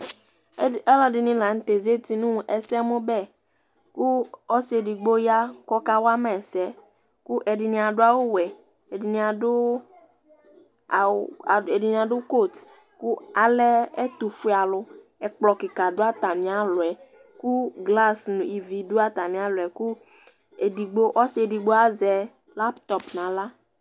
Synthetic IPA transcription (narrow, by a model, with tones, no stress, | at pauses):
ɛ˦lɔ˦dɪ˨nĩ˦la˨ŋ̩˨˦t̪e˨ze˦t̪i˨nũ˦ŋ˨ʔɛ˨sɛ˦mo˦bɛ˦˨ | ku˦ɔ˦se˨di˨ɡ͡bo˦ja˦kɔ˦ka˦wa˦mɛ˨sɛ˦ | ku˦ʔɛ˨dɪ˨nĩ˨a˨ɖʊ˦a˦wo˦wɛ˨ | e˨di˨nĩ˨a˨dʊ˦˨ | e˨di˨nĩ˨a˨ɖʊ˦ko˦˨t̪ | ku˦a˨lɛ˦ɛ˦t̪u˨fu˦a˨lʊ˦ | ɛ˨k͡plɔ˨kɪ˨ka˨dʊ˦a˦t̪a˨mĩ˨˦a˦lʊ˨ɛ˨ | ku˦ɡla˦snũ˨i˨vi˨du˦a˦t̪a˨mĩ˦a˦lʊ˨ɛ˨ku˦ | e˨di˨ɡ͡bo˦ʔɔ˦se˨di˨ɡ͡bo˦a˦zɛ˨ | la˦pt̪ɔ˨pnã˨la˦